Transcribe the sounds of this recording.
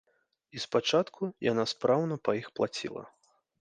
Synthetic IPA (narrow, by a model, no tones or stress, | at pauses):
ispat͡ʂat̪kʰujanaspɾawnɐpɐjixplˠat͡sʲḭlˠɐ̰